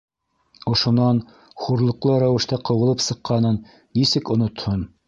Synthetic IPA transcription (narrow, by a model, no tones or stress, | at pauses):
ŏʃŏnɑn | χuɾlˠɤ̆qlˠɤɾæwɘ̆ʃt̪æqɤ̆wɤ̆lˠɤpsɤ̆qːɑnɤnː | isɘkŏnŏt̪hon